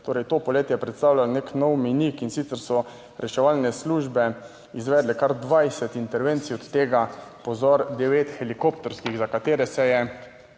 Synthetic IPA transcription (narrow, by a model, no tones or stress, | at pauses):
t̪oːɾɛjt̪oːpɔleːt̪jɛpɾɛt̪st̪aːwlalneknɔwminikinsit̪sɛɾsɔ | ɾʔɛʃɛʋalnɛsluːʒbɛ | izʋɛːd̪lɛkaɾd̪ʋajsɛt̪int̪ɛɾʋent̪sijɔt̪ːeːɡapɔzɔɾd̪ɛʋeːt̪xɛlikopt̪ɔɾskiɣzakat̪eːɾɛsɛjɛ